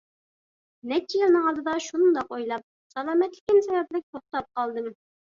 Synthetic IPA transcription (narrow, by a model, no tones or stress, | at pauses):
nɛt͡ʃʰːijilˠnɨŋɑlˠd̪ɨd̪ɑʃund̪ɑqojlˠɑp̚ | sɑlˠɑːmɛt̪lɪkʲinsɛjɑt̪̚lɪk̚ʲt̪ʰoχt̪ɑp̚qɑlˠd̪ɨm